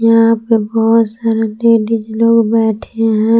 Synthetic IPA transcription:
jɐɦãpebɔɦʊt̪saːɾeleːɖid͡ʒloːɡbɛːʈʰeɦɛ̃ː

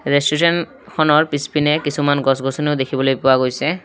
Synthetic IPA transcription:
ɹesʈisen | kʰɔnɔɹpispinekisʰumanɡɔsɡʱɔsɔneʊd̪ekʰibɔlojpowaɡojsɛ

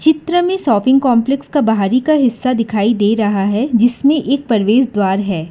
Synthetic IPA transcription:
t͡ʃɪt̪ɾəmẽsɔːpɪ̃ŋɡ̚kɔ̃ːmplɛkskabɐɦaːɾikaɦɪsːad̪ɪkʰaːid̪eːɾɐɦaɦɛd͡ʒɪsmẽʔeːk̚pɐɾʋeːsd̪waːɾɦɛː

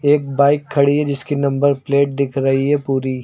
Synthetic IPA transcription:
eːk̚baːɪkʰːɐɽiɦɛd͡ʒɪskinɐ̃mbəɾpleːʈ̚d̪ɪkʰɾɐɦiɦɛpuːɾi

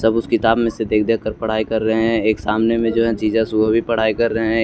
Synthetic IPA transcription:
sɐbʊskɪt̪aːbmẽsed̪eːk̚ʰd̪eːkəɾpɐɽ̤aːikɐɾːəɦɦɛ̃eːksaːmnemẽd͡ʒoːɦɛ̃t͡ʃiːd͡ʒãsʊbʱbʱipɐɽ̤aːikɐɾːəɦɦɛ̃

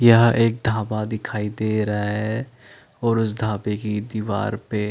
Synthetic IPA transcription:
jɐɦeːk̚d̪ʱaːpad̪ɪkʰaːid̪eːɾɐɦaɦɛ | ɔːɾʊsd̪ʱaːpekid̪iːʋa̰ːɾpe

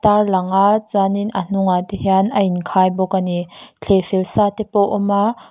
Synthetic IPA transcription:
t̪arlɐŋat͡swaninʔan̥ʊŋat̪ihianʔɐinkʰaːjbɔkanit͡ɬʰefilsaːt̪ɛpɔwʔɔma

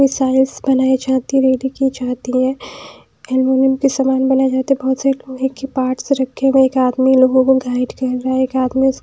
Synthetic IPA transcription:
mɪsaːɪlsbɐnaːid͡ʒaːɦt̪iɾeːɽikid͡ʒaːt̪iɦɛ̃ | ɛlmoːnɪmkisamaːnbɐnaed͡ʒaːt̪eɦɛ̃bɔːt̪saloɡekːipaːɾʈsɾɐkʰːeɡẽeːkaːd̪miloːɡõkoɡʱaːɪʈkɐɾːɐɦɛeːkaːd̪miʊs

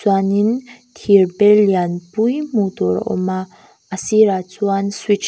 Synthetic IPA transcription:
wanint̪ʰiɾbelianpujmud̪ɔɾɔ̰ma | asiɾat͡swanswit͡ʃ

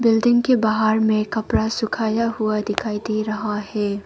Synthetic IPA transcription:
bɪlɖɪ̃ŋɡkebaɦaɾmẽkɐpɾasʊkʰaːjaɦʊad̪ɪkʰaːid̪eɾɐɦahɛː

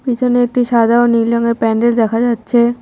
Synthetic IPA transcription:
pit͡ɕʰoneek̚ʈiʃad̪ʱaonilɔŋeɾpɛɳɖeld̪ɛkʰad͡ʑatːɕʰe

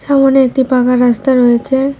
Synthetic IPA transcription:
ʃamoneek̚ʈipakaɾːast̪aɾojet͡ɕʰe

